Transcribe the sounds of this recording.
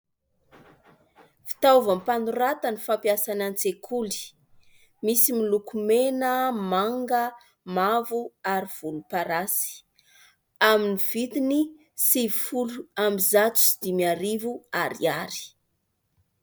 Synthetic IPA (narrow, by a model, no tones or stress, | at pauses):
fi̥t̪auvampanuɾat̪anifampiasanant͡sekʰuli̥ | misimilukumenəmaŋɡə | mavuaɾiv̥ulupaɾasi̥ | aminiv̥it̪ini | sivifuluamizat͡su̥si̥d̪̥imiaɾivuaɾḭaɾi̥